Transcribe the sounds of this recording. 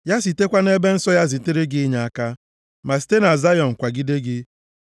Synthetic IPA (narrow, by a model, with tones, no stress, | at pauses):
ja˦s̬i˨te˦kʷa˦ne˦be˦n̩˦sɔ˦ja˦zi˨te˦ɾe˦ɡɪ˦ɲa˨a˨ka˦ | ma˨s̬i̥˨te˦na˨za˦jɔ˨ŋ̩˨kʷa˨ɡɪ˦de˦ɡɪ˦